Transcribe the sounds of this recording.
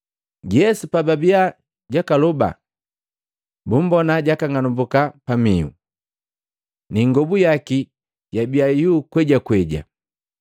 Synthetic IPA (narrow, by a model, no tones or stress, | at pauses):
ɟɛsupababia | ɟakalɔba̰ | bum̩bɔnaɟakaŋanumbukapamiṵ | niŋɡɔbujaki | ɟabiajuːkwɛɟakwɛɟa̰